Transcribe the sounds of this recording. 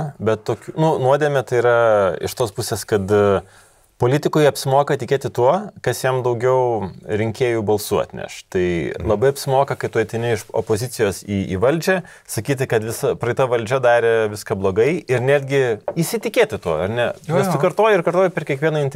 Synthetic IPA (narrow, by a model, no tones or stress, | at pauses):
bʲɛt̪toːkʲuːnʊnuɔd̪ʲeːmʲɛt̪ɐɪiɾɐɪ̰ʃt̪oːspʊsʲeːskɐt̪ | poːlʲɪt̪ʲɪkʊɪɐpʲsʲɪmoːkɐt̪ʲɪkʲeːt̪ʲɪt̪uɔkɐsjɛmd̪ɐʊɡʲɛʊɾʲɪŋʲkʲeːjubɐlˠsuɐ̰t̪ʲnʲɛ̰ʃt̪ɐɪlˠɐbɐɪɐpʲsʲɪmoːkɐkɐɪt̪uɔjt̪ʲɐɪnʲɪɪʃo̰ːpoːzʲɪtt͡s̪ʲɪjoːsiːḭːʋɐlʲd͡ʒʲɛ | sɐkʲiːt̪̬ʲɪkɐt̪ʋʲɪsɐpɾɐɪt̪ɐʋɐlʲd͡ʒʲɛd̪ɑːɾʲeʋʲɪskɐblˠoːɡɐɪɪɾnʲæːd̪ʲɡʲɪisʲɪt̪ʲɪkʲeːt̪ʲɪt̪uɔɐɾnʲɛɛsʊkɐrt̪oːjʊɪrkɐɾt̪oːjʊpʲɛrkʲiɛkʋiɛnɐɪnt̪ʲ